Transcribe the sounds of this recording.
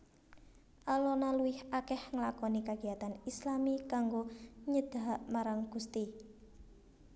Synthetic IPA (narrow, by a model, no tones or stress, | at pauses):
ʔalɔnaluwɪhakɛhŋəlakɔnikaɡ̥iat̪anislamikaŋɡoɲəd̪̥a̤aʔmaɾaŋɡ̥ust̪i